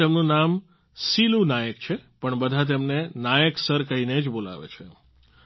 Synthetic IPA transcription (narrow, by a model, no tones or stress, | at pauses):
emnũnam | silunajəkt͡ʃʰepəɳbəd̪ʱat̪̬emnenajəksəɾkəɦined͡ʒbola̰ʋḛt͡ʃʰe